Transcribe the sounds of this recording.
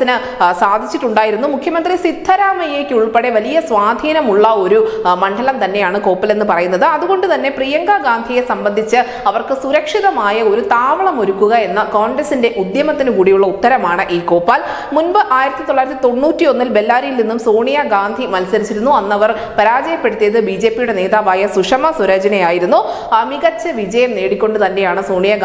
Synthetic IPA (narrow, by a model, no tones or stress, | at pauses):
inɨ | saːd̪ʱit͡ɕːiʈːuɳɖaːjiɾunːumukʰjɐmɐnd̪risid̪ʰʱːɐɾaːmɐje̞ːkʲːɨuɭpe̞ɽe̞ʋɐlijɐsʋaːd̪ʱiːnɐmuɭːɐo̞ɾumɐɳɖɐlɐmt̪ɐnːe̞jaːɳɨko̞ːpːɐle̞nːɨpɐrɐjunːɐðɨɐðuɣo̞ɳɖɨt̪ɐnːe̞prijɐŋɡaɡaːnd̪ʱije̞sɐmbɐnd̪ʱit͡ɕːɨ | ɐʋɐrkɨsuɾɐkʂiðɐmaːjɐo̞ɾut̪aːʋɐɭɐmo̞ɾukːuɣɐe̞nːɐko̞ːɳɡrɐsinde̞ʔud̪jɐmɐt̪ːinɨkuːɽijuɭːɐut̪ːɐɾɐmaːɳɨʔiːko̞ːpːaːl | munbɨʔaːjiɾɐt̪ːit̪o̞ɭːaːjɾɐt̪ːit̪o̞nːuːtːio̞nːilbe̞lːaːɾijilninːumsoːɳijɐɡaːnd̪ʱimɐlsɐɾit͡ɕːiɾunːuɐnːɐʋɐr | pɐɾaːd͡ʑɐjɐpːe̞ɽut̪ːijɐðɨbid͡ʑe̞ːpːijuɽe̞ne̞ːðaːʋaːjɐsuʂɐmɐsuɾɐd͡ʑɐnɐjaːjiɾunːu | miɣɐt͡ɕːɨʋid͡ʑɐjɐmne̞ːɽikʲːo̞ɳɖɨt̪ɐnːe̞jaːɳɨsoːɳijɐ